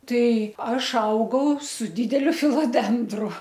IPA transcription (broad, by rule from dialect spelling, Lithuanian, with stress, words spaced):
ˈtɐɪ ˈɐʃ ˈɐʊɡɐʊ sʊ ˈdʲiːdʲɛlʲʊ fʲɪlˠoːˈdʲɛndrʊ